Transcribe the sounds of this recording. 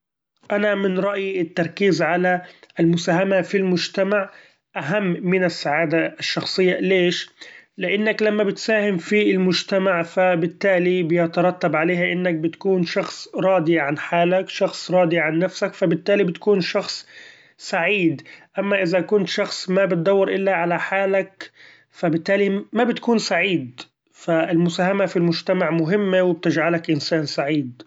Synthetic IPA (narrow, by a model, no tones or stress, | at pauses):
ʔanamɪnɾˤɑʔjɪt̪ːɑɾˤkiːzʕalalmʊsaːɦamafilmʊd͡ʒt̪amaʕ | ʔaɦamːɪnɪsːaʕaːd̪aɪʃːɑxsˤɨjːaleːʃlɪʔɪnːaklamːabɪt̪saːhɪmfilmʊd͡ʒt̪amaʕfabɪt̪ːaːlibɪjɪt̪ɑɾˤɑt̪ːabʕaleːhʔɪnːak̚bɪt̪kuːnʃɑxsˤɾˤɑːd̪iʕanħaːlakʃɑxsˤɾˤɑːd̪iʕanːafsakfabɪt̪ːaːlibɪt̪kuːnʃɑxsˤ | saʕiːd̪ʔamːaʔɪzakʊnt̪ʃɑxsˤmabɪt̪̚d̪ɑwːɑɾʔɪlːaʕalaħaːlak | fabɪt̪ːaːlimabɪt̪kuːnsaʕiːd̪ | faɪlmʊsaːhamafilmʊʒt̪amaʕmʊɦɪmːewɪb̚t̪ɪd͡ʒʕalakʔɪnsaːnsaʕiːd̪̚